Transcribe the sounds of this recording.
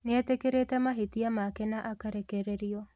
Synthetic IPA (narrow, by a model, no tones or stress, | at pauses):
nɪatekeɾetamaɦit̪iamakɛnaʔakaɾekeɾeɾio